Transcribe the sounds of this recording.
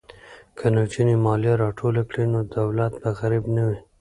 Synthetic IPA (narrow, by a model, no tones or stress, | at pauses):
kʰanot͡ʃinimɑljaɾɑʈʰolakɽinod̪awlat̪̚baɣaɾibnawi